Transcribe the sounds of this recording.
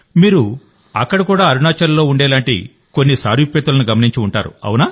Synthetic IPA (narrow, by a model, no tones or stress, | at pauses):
miːɾu | ɐkːɐɽɐkuːɽaːɐɾunaːt͡ʃɐɾlːo̞ːuɳɖɛːlaːɳʈḭ | konːisa̰ːɾipːɛːt̪ulɐnuɡɐmɐniɲt͡ʃiuɳʈa̰ːɾṵɐ̰wunaː